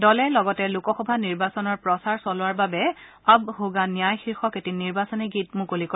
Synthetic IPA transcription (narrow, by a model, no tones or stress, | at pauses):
dɔlɛlɔɡɔtɛlukɔxɔbʱaniɹbasɔnɔɹpɹɔsaɹsɔlʊwaɹbabɛ | abhoɡanijajxiɹxɔketiniɹbasɔniɡit̚mukolikɔ